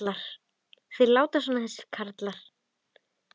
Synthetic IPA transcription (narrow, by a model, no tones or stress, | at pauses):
laɾ̥ | θveðlaːwt̪asanːaθɛsːɪ̥ɾ̥kʰaɾt̪laɾ̥